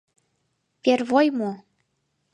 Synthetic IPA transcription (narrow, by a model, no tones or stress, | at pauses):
pervojmo